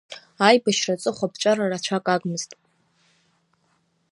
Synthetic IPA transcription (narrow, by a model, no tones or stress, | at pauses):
ajbaʃrat͡sʼɨχʷapʰt͡ʃʷʼararat͡ʃʷʰakʼaɡmɨz̥tʼ